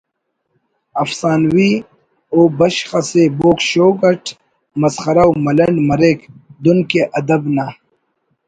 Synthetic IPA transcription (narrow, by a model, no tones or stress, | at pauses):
ɐfsaːnwi | oːbɐɕxɐseboːkɕoːɡɐʈʰ | mɐsxɐɾawmɐlɐɳɖmɐɾekd̪unkeʔɐd̪ɐbna